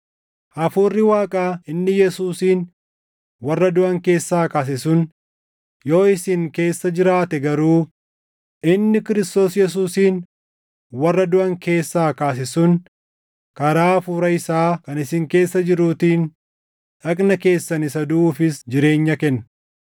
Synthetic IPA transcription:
ʔɐfuːrːɪwaːkʼaːɪnːɪjɛsuːsiːn | wɐrːɐd̪ʊʔɐŋke̞ːsːaːkaːs̬ɪsʊn | jo̞ːɪsɪŋke̞ːsːɐd͡ʒɪɾaːt̪ɛɡɐɾuː | ʔɪnːɪkɪɾɪst̪o̞ːsjɛs̬uːsiːn | wɐrːɐd̪ʊʔɐŋke̞ːsːaːkaːs̬ɪsʊn | kɐɾaːfuːɾɐɪsaːkɐnɪsɪŋke̞ːsːɐd͡ʒɪɾuːt̪iːn | ᶑɐkʼnɐke̞ːsːɐnɪsɐd̪ʊʔuːfɪsd͡ʒɪɾe̞ːɲːɐkɛnːɐ

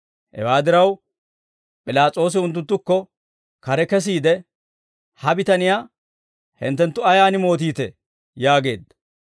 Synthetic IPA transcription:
hɛ̰waːd̪ɪɾɐw | pʼɪlaːt͡sʼo̞ːs̬ɪʊnt̪ːʊnt̪ːʊkːɔ | kɐɾɛkɛs̬iːd̪ɛ | hɐbɪt̪ɐnɪjaː | hɪ̰nt̪ːɛnt̪ːʊɐjaːnɪmo̞ːt̪̬iːt̪ɛ̰ | jaːɡe̞̰ːd̪ːɐ̥

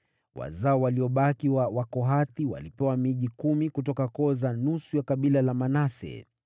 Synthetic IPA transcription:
wa̰zaɔwaliɔɓakiwawakɔɦaθiwa̰lipɛwamiʄikumikutɔkakɔzanusujakaɓilalamanasɛ̰

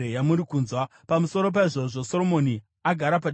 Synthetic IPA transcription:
ejamuɾikuːnzwa | pamuso̞ɾo̞p̬aiʐo̞ʐo̞so̞ɾo̞mo̞ni | aɡʱaɾapaɗ

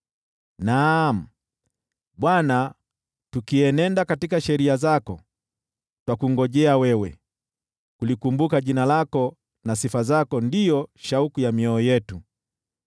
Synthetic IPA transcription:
nam̩ | ɓwana | tukiɛnɛndakatikaʃɛɾiazakɔ | twakuŋɡɔʄɛawɛwɛ | kulikumbukaʄinalakɔ | nasifazakɔndijɔʃaukujamiɔːjɛtu

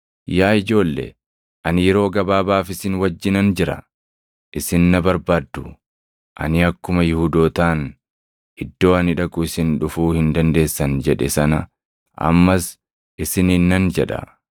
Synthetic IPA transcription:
jaːɪd͡ʒo̞ːlːḛ | ʔɐnjɛɾo̞ːɡɐbaːbaːfɪsɪnwɐd͡ʒːɪnɐnd͡ʒɪɾɐ̰ | ʔɪsɪnːɐbɐɾbaːd̪ːʊ | ʔɐ̰nɪɐkːʊmɐjɪhud̪oːt̪aːn | ʔɪd̪ːo̞ːɐnɪᶑɐkʊɪsɪnᶑʊfuːhɪnd̪ɐnd̪e̞ːsːɐnd͡ʒɛᶑɛsɐnɐ | ʔɐ̰mːɐs | ɪsɪninːɐnd͡ʒɛᶑɐ̰

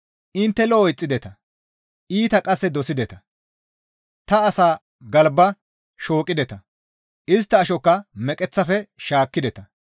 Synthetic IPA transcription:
ʔɪnt̪ːɛlɔːɪt͡sʼːɪd̪ɛt̪ɐ | ʔiːt̪ɐkʼɐsːɛd̪ɔsɪd̪ɛt̪ɐ | t̪ɐːsaː | ɡɐlbːɐ | ʃo̞ːkʼːɪd̪ɛt̪ɐ | ʔɪs̬t̪ːɐːʃɔkːɐmɛkʼɛt͡sːɐfɛʃaːkːɪd̪ɛt̪ɐ

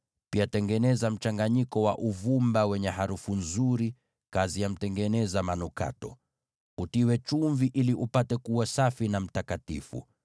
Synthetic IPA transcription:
piatɛŋɡɛnɛzam̩t͡ʃaŋɡaɲikɔwaʔuvumbawɛɲɛhaɾufunzuɾi | kazijam̩tɛŋɡɛnɛzamanuka̰tɔ | utiwɛt͡ʃuɱviʔiliʔupatɛkuwasafinam̩takatḭfṵ

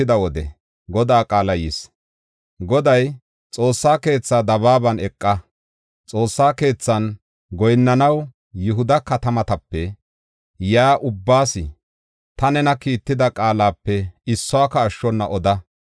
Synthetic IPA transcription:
ɪd̪ɐwɔd̪ɛ̰ | ɡɔd̪aːkʼaːlɐjis | ɡɔd̪ɐj | t͡sʼo̞ːsːaːke̞ːt͡sːaːd̪ɐβaːbɐnɛkʼːɐ | t͡sʼo̞ːsːaːke̞ːt͡sːɐn | ɡɔjnːɐnɐw | jʊɦʊd̪ɐkɐt̪ɐmɐt̪ɐpːɛ | jaːʔʊbːaːsɪ | t̪ɐnɛnɐkiːt̪ːɪd̪ɐkʼaːlaːpːɛɪsːɔaːkɐːʃːɔnːɐʔɔd̪ɐ

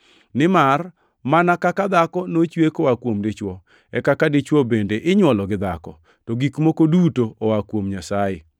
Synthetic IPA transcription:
nɪmar | manakakad̪akɔnot͡ʃwekowakwomdet͡ʃwɔ | ɛkakadet͡ʃwɔbendeʔɪɲwɔlɔɡɪd̪a̰kɔ̰ | tɔɡikmokodutoowakwomɲasajḛ

